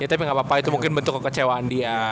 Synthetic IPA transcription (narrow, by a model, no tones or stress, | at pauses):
jat̪apiŋɡaʔpapait̪umuŋkɪnbənt̪ʊkːəkːət͡ʃewaːndia